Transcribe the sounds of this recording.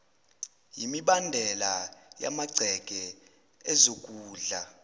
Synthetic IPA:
jimiɓandʱɛlaja̰maɡ͡ǀʱɛkʼɛ | ɛzokʼuːɮa

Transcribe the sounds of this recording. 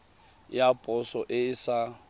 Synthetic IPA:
japʼɔsɔʔɪsa

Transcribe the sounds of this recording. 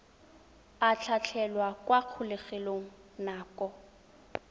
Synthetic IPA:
at͡ɬʰat͡ɬʰɛlwakwaq͡χʰʊlɪχeloŋ̩naːkɔ

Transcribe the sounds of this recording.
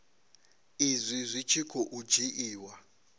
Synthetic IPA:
izʷizʷit͡ʃʰikʰɔʔud͡ʒiʔiːwa

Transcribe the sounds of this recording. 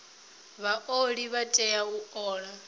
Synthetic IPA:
βaʔoɺiβatʼɛauɔːɺa

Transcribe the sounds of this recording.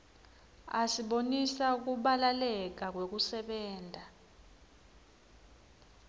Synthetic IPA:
asiɓonisauk̬uɓalalɛk̬ak̬wek̬usɛɓɛːndʱa

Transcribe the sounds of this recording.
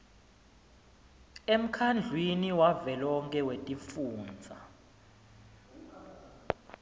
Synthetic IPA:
em̩kʰand͡ɮʱwiniwavɛlɔŋkʼɛwetʼifuːnd͡zʱa

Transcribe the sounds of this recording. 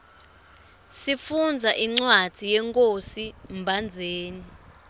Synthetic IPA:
sifund͡zʱaʔiŋ͡ǀwad̥ʱijɛŋkʼosimbʱand͡zʱeːni

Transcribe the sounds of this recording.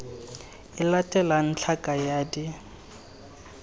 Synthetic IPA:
ɪlatʼɛlan̩t͡ɬʰakʼajaːdi

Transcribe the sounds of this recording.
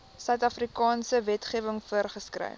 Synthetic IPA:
sœɥtɐfrikɑːnsəvɛtχiəvəŋfuərχəskrə̰j

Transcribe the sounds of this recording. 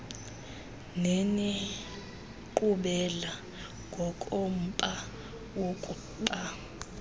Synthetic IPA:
neni | ǃuɓɛla | ŋɡʱɔkʼom̩pʼa | wokʼuǃa

